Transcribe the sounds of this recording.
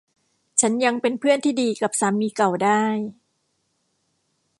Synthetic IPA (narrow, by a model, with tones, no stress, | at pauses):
t͡ɕʰa˦˥nja˧ŋpe˧npʰɯ˥˩ənt̪ʰiː˥˩diː˧ka˨˩p̚saː˩˦miː˧ka˨˩wdaː˥˩j